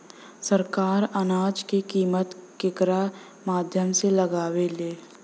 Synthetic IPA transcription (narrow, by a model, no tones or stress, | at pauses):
səɾkaːɾɐnaːd͡ʒkekiːmət̪kɪkɾa | maːd̪ʱjəmselɐɡaːweleː